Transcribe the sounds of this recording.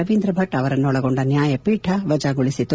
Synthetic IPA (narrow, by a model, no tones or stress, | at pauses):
ɐʋiːnd̪ɾɐbʱɐʈɐʋɐɾɐnːuɔɭɐɡoɳɖɐnjaːjɐpiːʈʰɐʋɐd͡ʒaːɡuɭisit̪ːu